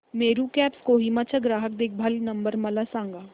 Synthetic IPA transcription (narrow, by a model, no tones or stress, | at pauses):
meːɾukɛːpskoːɦiːmat͡ʃʰəɡɾaːɦək̚d̪ɪk̚ʰbʱɐlnɐ̃mbəɾmɐlasãːŋɡaː